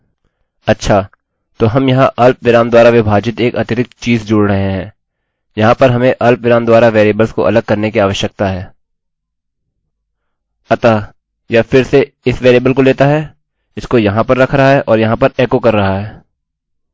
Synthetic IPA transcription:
ɐtːʃʰaː | t̪oːɦɐmjɐɦãʔɐlpʋɪɾaːmd̪waːɾaʋɪbʱaːd͡ʒɪt̪eːkɐt̪ɪt̪ɪk̚t̪t͡ʃiːzd͡ʒʊːɽɾɐɦẽɦɛ̃ː | jɐɦãpɐɾɦɐmẽʔɐlpʋɪɾaːmd̪waːɾaʋeːɾeːbəlsko̰ʔɐ̰ləɡ̚kɐɾnekiaːʋəʃjək̚t̪aɦɛː | ɐt̪a | jafɪɾse | ɪsʋeːɾeːbəlkoleːt̪aɦɛː | ɪskojɐɦãpɐɾːɐkʰɾɐɦaɦɛʔɔːɾjɐɦãpɐɾeːkokɐɾːɐɦaɦɛː

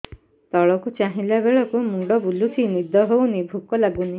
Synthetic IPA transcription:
t̪ɔɭɔkut͡ʃaɦilabeɭɔkumuɖɔbulut̪ʰinid̪ʱɔɦownibʱukɔlaɡuni

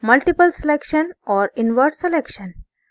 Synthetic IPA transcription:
məlʈipəlselekʃənɔɾinʋəɾʈselekʃən

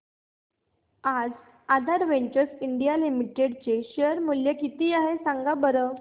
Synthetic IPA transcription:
ad͡z | ad̪ʱaɾʋeɳt͡ɕəɾsiɳɖijalimiʈeɽt͡seɕəɾmuljəkit̪iːaɦesãŋɡabəɾə

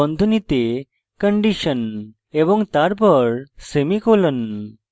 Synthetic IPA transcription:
ənd̪ʱunit̪e | kəɳɖiɕən | eʋəŋɡt̪aɾpəɾsemikolən

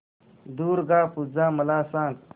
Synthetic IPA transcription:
d̪uːɾɡaːpud͡zãːmɐlaːsãːŋɡ

